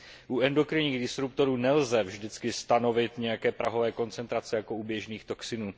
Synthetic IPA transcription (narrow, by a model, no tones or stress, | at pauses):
ʔuɛndo̞kɾɪɲiːɣdɪsɾup̚t̪o̞ɾuːnɛlzɛvʒdɪt͡skɪst̪ano̞vɪt̪ɲɛjakɛːpɾʔaɦo̞vɛːko̞nt͡sɛnt̪ɾat͡sɛjako̞ubjɛʒniːxt̪o̞ksɪnuː